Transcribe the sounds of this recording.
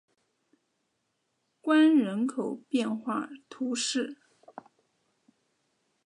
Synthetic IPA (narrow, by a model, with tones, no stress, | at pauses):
kwa˥nɻə˧˥nkʰo˨˩ʊpjɛ˥˧nxwa̰˥˩t̪ʰu˧˥ʂɻ̩˥˩